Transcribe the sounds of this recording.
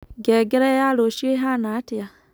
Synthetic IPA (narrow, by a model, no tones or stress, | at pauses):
ɡeɡeɾajaloʃieɦanatia